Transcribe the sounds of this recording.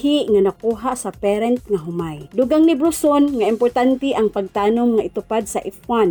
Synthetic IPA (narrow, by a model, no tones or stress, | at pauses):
hiʔŋanakuːɦaʔsapɛɾɛnt̪̚ŋaɦʊmajd̪ʊɡaŋnibɾʊsonŋaɪmpʊɾt̪ant̪ɪʔaŋpaɡ̚t̪aːnʊmŋait̪ʊpad̪̚saʔifwan